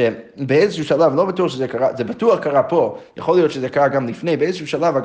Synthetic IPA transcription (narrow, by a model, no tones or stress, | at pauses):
ebeezəʃuʃalavlobatuʁʃəzɛkaʁazɛbatuaχkaʁapoja̰χolijot̪ʃəzɛkaʁaɡamlifnejbeezəʃuːʃalava